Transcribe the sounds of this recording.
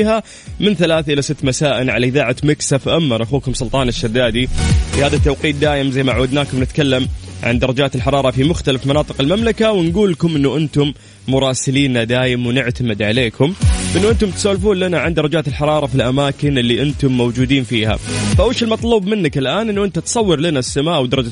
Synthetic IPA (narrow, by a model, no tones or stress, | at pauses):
ha | mɪnθalaːθʔɪlasɪt̪ːmasaːʔɪnʕa̰laʔɪðaːʕamɪksafʔamːɑɾˤʔaxuːkʊmsʊlt̪ˤɑːnɪʃːad̪ːaːd̪ifihaːðat̪ːawqiːt̪̚d̪aːʔɪmzajmaʔʕuːad̪naːkʊmnɪt̪kalːamʕa̰nd̪ɑɾˤɑd͡ʒaːt̪ɪlħɑɾˤɑːɾˤɑfimʊxt̪alafmɑnɑːt̪ˤɨ̥qɪlmamlakawɪnɡuːlkʊmʔɪnːuʔɪnt̪ʊmː | ʊɾˤɑːsɪliːnad̪aːʔɪmwnɪʕt̪amɪd̪ʕaleːkʰʊmʔɪnːʊʔɪnt̪ʊmt̪saːlfuːnlanaʕand̪ɑɾˤɑd͡ʒaːt̪ɪlħɑɾˤɑːɾˤɑfilʔamaːkɪnɪlːiʔɪnt̪ʊmːowd͡ʒuːd̪iːnfiːha̰faʔawiːʃɪlmɑt̪ˤluːbmɪnːakɪlʔaːnʔɪnːʊʔɪnt̪at̪sˤɑwːɪɾlanasːamaːʔwd̪ɑɾˤɑd͡ʒa